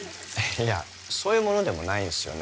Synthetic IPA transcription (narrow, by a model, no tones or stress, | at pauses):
ja | so̞ːjɯ̟ːmo̞no̞d̪e̞mo̞naĩnsɨjo̞̰n